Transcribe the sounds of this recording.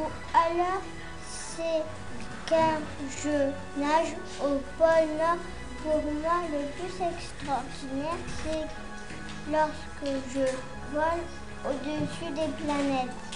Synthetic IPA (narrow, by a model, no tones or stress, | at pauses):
u | alɔʁ | sɛ | kɛ̃ | ʒə | naʒ | opɔlnɔʁ | puʁmwaləplysɛkst̪χɔʁd̪inɛʁsɛ | lɔʁskəʒə | vɔl | od̪əsyd̪eplanɛt̪